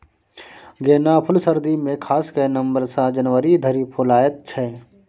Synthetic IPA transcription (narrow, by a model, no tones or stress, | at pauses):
ɡeːnaːpʰʊlsəɾd̪imẽkʰaːskɐnə̃mbəɾsad͡ʒənʋəɾid̪ʱəɾipʰʊlaːjət̪̚t͡ʃʰɛː